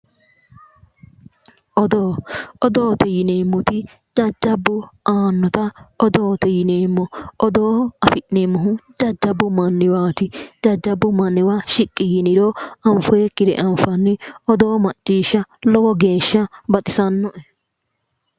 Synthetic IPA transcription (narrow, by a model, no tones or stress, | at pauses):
ʔɔd̪oːɔd̪oːt̪ɛjɪneːmːʊt̪ɪ | d͡ʒɐd͡ʒːɐbːʊaːnːɔt̪ɐɔd̪oːt̪ɛjɪneːmːɔɔd̪oːɐfɪʔnemːʊɦʊd͡ʒɐd͡ʒːɐbːʊmɐnːɪwaːt̪ɪd͡ʒɐd͡ʒːɐbːʊmɐnːɪwaʃɪkʼːɪjɪnɪɾɔɐmfɔjɛkʼːɪd̪ɛ̰ʔɐmfɐnːɪɔd̪oːmɐt͡ʃʼːiːʃɐlɔwɔɡe̞ːʃːɐbɐt̪ʼɪsɐnːɔʔɛ